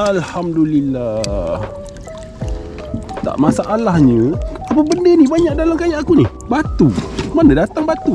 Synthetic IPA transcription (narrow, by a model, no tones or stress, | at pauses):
alhamdulilːah | t̪a̰ʔmasaʔalahɲə̃apəbəndənibaɲak̚dalamkajaʔakunih | bat̪umanadat̪aŋbat̪u